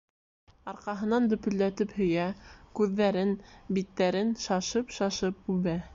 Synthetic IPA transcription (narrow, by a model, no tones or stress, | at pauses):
ɑɾqɑɦɤ̆nɑnd̪ɵ̆pɵ̆lːæt̪ɘphɵ̆jækʉðːæɾɘnbit̪ːæɾɘnʃɑʃɤpʃɑʃɤp̚ʉβæ